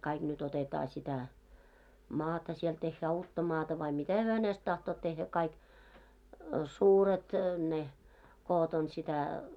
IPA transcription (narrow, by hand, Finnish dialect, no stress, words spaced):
kɑiɡ̊ nyt otetɑː sitæ mɑːtɑ siel tehːæː uːtːɑ mɑːtɑ ʋɑi mitæ hyø hænest tɑhtoːt tehːæ kɑik suːret ne koːt on sitæ